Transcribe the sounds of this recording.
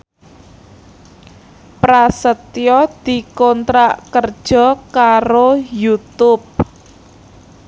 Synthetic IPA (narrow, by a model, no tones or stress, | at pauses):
pɾasət̪jɔd̪̥i̤kɔnt̪ɾaʔkərd̥ʒ̥ɔ̤kaɾojut̪ʊp̚